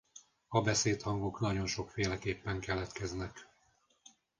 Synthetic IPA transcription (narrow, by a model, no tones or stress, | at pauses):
ɒbɛseːt̪hɒŋɡoknɒɟo̞nʃo̞kfeːlɛkeːpːɛŋkɛlɛt̪kɛznɛk